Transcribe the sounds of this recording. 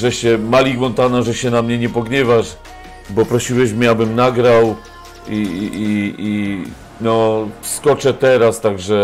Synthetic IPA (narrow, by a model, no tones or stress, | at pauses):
ʐɛɕɛmalʲiɡwɔnt̪anaʐɛɕɛnamɲɛɲɛpɔɡɲɛvaʂ | bɔpɾɔɕiwɛɕmʲɛabɘmnaɡɾaw | iii | nɔskɔt͡ʂɛt̪ɛɾast̪aɡʐɛ